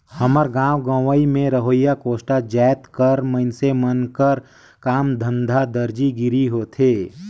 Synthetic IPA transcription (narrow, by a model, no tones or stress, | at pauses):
həməɾɡãːwɡãːʋaimẽɾəɦoːjakoːsʈad͡ʒaːjt̪kəɾməɪnsemənkəɾ | kaːmd̪ʱə̃nd̪ʱad̪əɾd͡ʒiɡɪɾiɦoːt̪ʰeː